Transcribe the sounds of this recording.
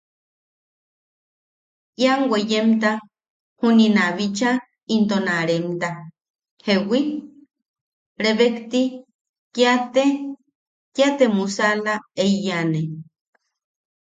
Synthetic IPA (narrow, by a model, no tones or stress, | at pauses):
jaŋwejemt̪a | huninaβit͡ʃa | int̪onaɾemt̪a | hewi | ɾeβekt̪i | kjat̪e | kjat̪emusalaeijane